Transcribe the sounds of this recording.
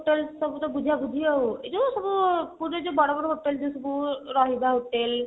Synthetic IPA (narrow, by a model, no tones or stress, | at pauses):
ʈelsɔbut̪ɔbud͡ʒʱabud͡ʒʱijɔet̪osɔbupuɾd͡ʒɔd͡ʒebɔɽɔbɔɽɔɦoʈeld͡ʒesɔbuɾɔɦibaɦoʈel